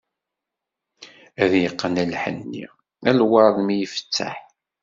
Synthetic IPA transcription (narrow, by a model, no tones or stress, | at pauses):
æðjəqːənælħə̰nːḭ | ælwɑɾˤðˤmijəfə̥t͡sːa̰ħ